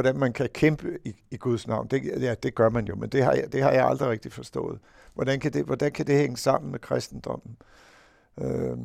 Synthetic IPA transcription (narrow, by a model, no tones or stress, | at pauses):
ɒd̥ænmænkʰækʰemb̥əiiɡ̥uðˠsnɑ̈ʊnd̥e̝jæd̥e̝ɡ̥ɶɐmænjo̝mend̥e̝ɦɑ̈jd̥e̝hɑ̈jɑ̈ɪɑ̈ld̥ʁiʁɛeɡ̥̚d̥ifɒ̽sd̥ɔ̰̽ːð̩ˠ | ʋɒd̥ænkʰæd̥e̝ʋɒd̥ænkʰæd̥e̝heŋəsɑ̈m̰n̩mekʰʁasd̥n̩d̥ɒ̽m̰n̩ | ø